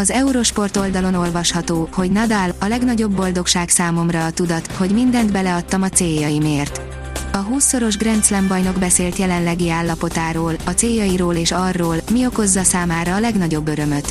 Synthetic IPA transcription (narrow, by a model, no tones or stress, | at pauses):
ɒzɛuɾo̞ʃpo̞rt̪o̞ld̪ɒlo̞no̞lvɒʃhɒt̪oːho̞ɟnɒd̪alɒlɛɡnɒɟo̞bːo̞ld̪o̞kʃaːksaːmo̞mrɒːt̪ud̪ɒt̪ho̞ɟmind̪ɛnd̪bɛlɛɒt̪ːɒmɒt̪seːjɒjimeːrt̪ | ɒɦuːsːo̞ɾo̞ʒɡrɛnt̪slɛmbɒjno̞ɡbɛseːlt̪jɛlɛnlɛɡiaːlːɒpo̞t̪aːɾoːlɒt̪seːjɒjiɾoːleːʃɒrːoːlmio̞ko̞zːɒsaːmaːɾɒːlɛɡnɒɟo̞bːø̞ɾø̞mø̞t̪